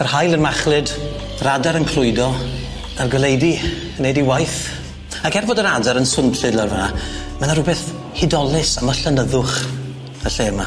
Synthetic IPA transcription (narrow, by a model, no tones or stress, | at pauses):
ərhajlˠənmaχlˠɨd | ɾadaɾənkʰl̥ʊjdɔ | arɡəlejdi | nejdiwajθ | akɛrvoːdəɾadaɾənsʊnpɬɨdlarvanamanaɾʊbɛθ | hɪdɔlˠɪsaməɬənəðʊχ | əɬeːma